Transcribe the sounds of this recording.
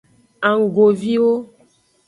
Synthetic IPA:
a˨ŋ˨ɡo˨vi˦wo˦

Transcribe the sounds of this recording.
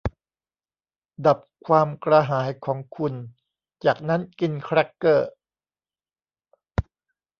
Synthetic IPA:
da˨˩p̚kʰwaː˧mkɾa˧ɦaː˩˦jkʰɔː˩˦ŋkʰu˧n | t͡ɕaː˨˩k̚na˦˥nki˧nkʰɾa˦˥kːɤː˥˩

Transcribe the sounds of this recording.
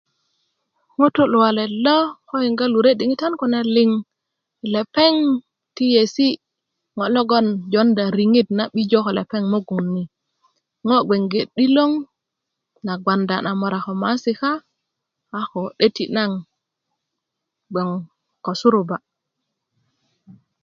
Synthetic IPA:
ŋo˦to˦lu˨wa˨le˨lo˦ko˦i˨ŋɡa˦lu˨ɾe˦di˨ŋi˦ta˦nku˨ne˨li˦ŋ˨ | le˨pe˦ŋ | ti˦je˨si˦ | ŋo˨lo˦ɡo˦nd͡ʒo˦nda˨ɾi˨ŋi˦tna˨ɓi˦d͡ʒo˦ko˨lḛ˨pe˦ŋmo˦ɡu˨nːi˨ | ŋo˦ɡe˨ŋɡe˨ɗi˦lo˦ŋ | na˨ɡwa˨nda˨na˨mo˨ɾa˨ko˨ma˨˦si˨kaː˦ | ko˨ɗe˦ti˨na˦ŋ | ɡ͡be˨ŋ | ko˨su˦ɾu˨ba˨

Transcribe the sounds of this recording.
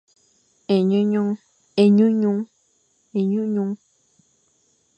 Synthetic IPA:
e˨ɲũ˦ɲũ˦ | e˨ɲũ˦ɲũ˦ | e˨ɲũ˦ɲũ˦

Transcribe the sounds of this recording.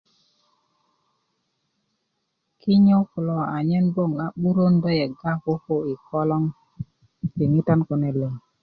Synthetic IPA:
ki˦ɲo˦klɔ˨a˨ɲɛ˦nbo˦˨ŋa˨ɓu˦ɾo˦ndɔ˦jɛ˨ɡa˦ko˦ko˦i˨kɔ˦lɔ˦ŋ | ti˨ŋi˦ta˦nkɔ˨nɛ˨le˨ŋ

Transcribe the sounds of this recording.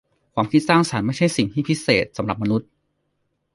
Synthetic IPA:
kʰwaː˧˥mkʰi˦˥t̪̚saː˥˩ŋsa˩˦nma˥˩jt͡ɕʰa˥˩jsi˨˩ŋt̪ʰiː˥˩pʰi˦˥seː˨˩t̪̚sa˩˦mɾa˨˩p̚ma˧nu˦˥t̪̚

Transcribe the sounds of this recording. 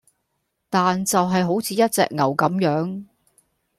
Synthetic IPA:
t̪aː˨nt͡sɐ˨wɦɐ˨jɦo˨˥wt͡sʰiː˨˧jɐ˥t̚t͡sɛ̰ː˨k̚ŋɐ˨˩wkɐ˨˥mjœː˨˥ŋ

